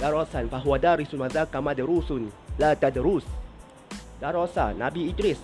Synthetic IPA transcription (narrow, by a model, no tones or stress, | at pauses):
d̥aɾɔsanfaɦwadaɾisunmazakamadəɾusunlat̪adɾus | daɾɔsa̰nabiːtɾis